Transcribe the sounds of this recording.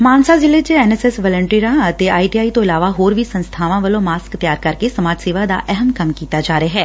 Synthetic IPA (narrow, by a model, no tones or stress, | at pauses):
maːnsazɪlet͡ʃeɛːnɛːsɛsʋəːlə̃ɳʈiːɾãət̪eaːiʈiːaːit̪õɪlaːʋaɦoːɾʋisə̃nst̪ʰaːʋãʋəlõmaːskt̪jaːɾkɐɾkesəmaːd͡ʒseːʋad̪a̰ʔɛɦəmkəmkiːt̪ad͡ʒaːɾəaɦɛː